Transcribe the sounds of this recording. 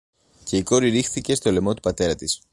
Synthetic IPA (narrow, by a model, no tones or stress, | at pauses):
ce̞iko̞ɾiɾixθice̞st̪o̞le̞mo̞t̪u̥pɐt̪e̞ɾɐt̪is